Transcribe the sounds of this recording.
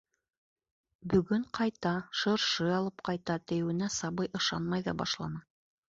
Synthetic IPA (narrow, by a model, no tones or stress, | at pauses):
bɵ̆ɡɵɴqʰɑjt̪ɑʃɤ̆ɾʃɤɑlˠɤp̚qɑjt̪ɑt̪ɘ̆jɘ̆wɘ̆næsɑβɤjʔɤ̆ʃɑnmɑjðɑbɑ̰ʃlˠɑ̰nɑ